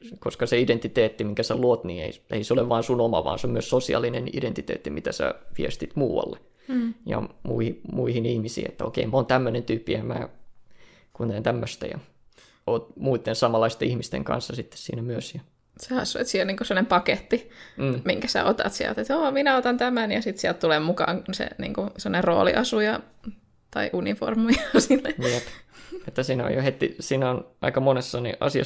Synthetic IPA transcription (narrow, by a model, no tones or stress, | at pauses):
koskɑseident̪it̪eːt̪ːimiŋkæsæluot̪niːḛieiseoleʋʋɑːnsunomɑ̰ʋɑ̰ːnseomyøssosiɑ̰lːinenḭdent̪it̪ḛːt̪ːimit̪æsæ̰ʋiest̪it̪muːʋɑ̰lːe | jɑ̰mṵihimuihinihmisḭːḛt̪ːæo̰kḛimoːnt̪æmːønent̪yːpːiemæ̰ː | kunt̪ent̪æmːøst̪æ̰jɑ̰ | oːt̪muit̪ːensɑmɑlːɑist̪eihmist̪ḛŋkɑ̰nsːɑsit̪ːe̥ssḭːnæmyøsjɑ | sehɑ̰sːuet̪siːhelniːŋkusemːonempɑket̪ːim̩ːmiŋkæsæ̰ot̪ɑ̰t̪siæ̰lt̪et̪oːminæot̪ɑnt̪æmænjɑsit̪siælt̪t̪ulemmukɑ̰ːŋusḛnḭːŋkusemːonerro̰ːlḭʔɑsujɑ | t̪ɑiʔunifo̰rmujɑsinːejepet̪ːæsiːnæo̰johet̪ːḭsiːnæonɑ̰ikɑmonesːɑnḭʔɑ̰siɑ̰